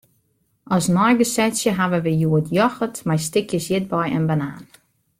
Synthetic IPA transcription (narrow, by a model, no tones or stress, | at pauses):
ɔsnɔjɡəsɛsjəɦaʋəʋəjuətʰjɔxətmajstɪkʰjəsjɪt̚bɔjə̰nbanaːn